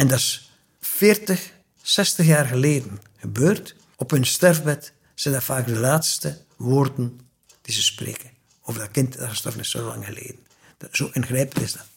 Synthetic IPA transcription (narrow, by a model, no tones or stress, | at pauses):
ɛndɑs | fɪːrtəx | sɛstəxjaːrɣəleːdən | ɣəbøːrt | ɔphɵnstɛrvbɛt | sɛjndafaːkdəlaːtstə | ʋoːrdən | d̥izəsprḛːkə | ovərdɑkɪntdaəstɔ̰ɹfnɪsso̰ːlɑ̰ŋɣəlḛːdən̩ | z̥oːʔɪnxrɛːpəl̩ɪsdɑt